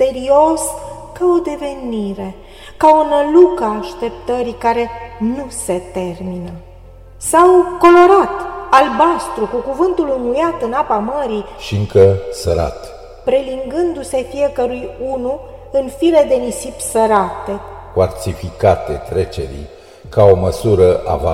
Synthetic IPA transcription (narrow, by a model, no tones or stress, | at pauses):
se̞ɾio̞s | kaod̪e̞ve̞niɾe̞ | kaonəlukəːʃt̪e̞p̚t̪əɾikaɾe̞nuse̞t̪e̞rminə | sawko̞lo̞ɾat̪albast̪ɾukukuvɨnt̪ulɨŋɡujat̪ɨnapaməɾiʃiɨŋkəsəɾa̰t̪ | pɾe̞liŋɡɨnd̪use̞fije̞kəɾujunu | ɨnfile̞d̪e̞nisipsəɾat̪e̞kuarsifikat̪e̞t̪ɾe̞t͡ʃe̞̰ɾḭj | kao̞məsuɾəʔa̰va̰